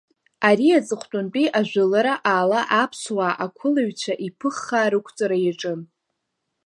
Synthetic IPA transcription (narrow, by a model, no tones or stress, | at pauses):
aɾiat͡sʼɨχʷtʼʊnt͡pʼiʔaʒᶣʷalaɾaʔaːlaʔapʰswaːʔakʷʰʊlaɥt͡ɕʷʰaʔipʰɨχːaːɾɨkʷʰt͡sʼaɾajaʈ͡ʂʼɨn